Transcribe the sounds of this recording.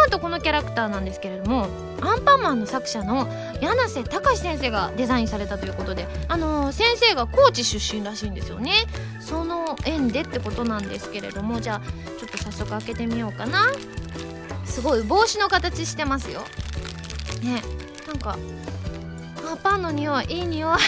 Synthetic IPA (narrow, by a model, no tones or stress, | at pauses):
ãnt̪oko̞no̞kʲaɾakɯ̟̥t̪aːnãnd̪e̞sɨ̥ke̞ɾe̞d̪o̞mo̞ | ãmpamãnːo̞sakɯ̟̥ɕano̞ | janase̞t̪akaisẽɰ̃se̞ːɡa̰d̪e̞zaĩsaɾe̞t̪at̪o̞jiɯ̟ko̞t̪o̞d̪e̞ano̞sẽ̞ɰ̃se̞ːɡako̞ːt͡ɕiɕɨɕːĩnɾaɕiːnd̪e̞sɨjo̞̰ne̞ | so̞no̞ẽ̞nd̪e̞t̪ːe̞ko̞t̪o̞nãnd̪e̞̰sɨ̥ke̞ɾe̞̰d̪o̞mo̞d͡ʑaː | t͡ɕo̞t̪ːo̞sasːo̞kɯ̟ake̞t̪e̞mʲijo̞ːkana | sɨɡo̞ibo̞ːɕino̞kat̪at͡ɕiɕi̥t̪e̞masɨjo̞̰ | ne̞ | nãŋka | apanːo̞ɲ̟ioaʔiːɲioa